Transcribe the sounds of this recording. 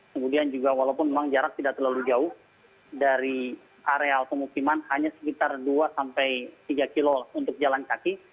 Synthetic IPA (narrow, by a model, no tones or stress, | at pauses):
kəmudiand͡ʒuɡawalaupʊnmemaŋd͡ʒaɾak̚t̪idaʔt̪ərlalud͡ʒaʊh | daɾi | ʔaɾealpəmukimanhaɲasə̥kit̪arduasampajt̪iɡakilolunt̪ʊk̚d͡ʒalankaki